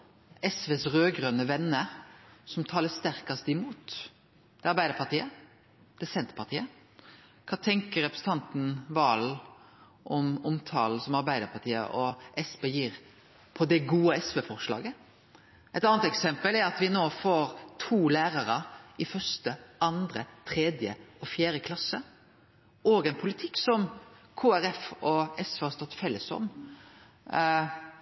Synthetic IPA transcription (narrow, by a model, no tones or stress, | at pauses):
ɛsʋeːsɾøːɡɾœnəʋɛnːəsɔmt̪ʰɑːləst̪æɾkɑst̪əɪmuːt̪ | d̪̥ɛɑɾbæɪd̪əɾpɑɾt̪iːə | d̪̥ɛsɛnt̪ɾpʰɑt̪ʰiːə | kʰɑːt̪ʰɛŋkəɾɛpɾəsn̩ɑnt̪n̩ʋɑːl | ʔɔmʊmt̪ʰɑːl̩sɔmɑɾbæɪd̪əɾpʰɑt̪ʰiːə̰ʔɔʔɛsbeːjiːɾ | pʰɔd̪ɛɡuːəɛsʋeːfɔʁʂlɑ̰ːɡə | ʔɛt̪ɑːnət̪ɛksɛmpəlæɾɑt̪ʋɪnoːfoːɾt̪ʰuːlæːɾɑɾəɪfœʂt̪əɑnd̪ɾət̪ʰɾɛːd̪jəɔfjæːɾəkʰlɑsːə | ʔɔːɡɛnpʰʊlɪt̪ʰɪkːsɔmkʰoːæɾɛfɔɛsʋehɑst̪ɔt̪ːfɛlːəsɔ̰m